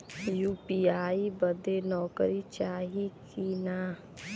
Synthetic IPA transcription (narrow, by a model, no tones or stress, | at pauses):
juːpiaːibəd̪enɔːkɾit͡ʃaːɦikina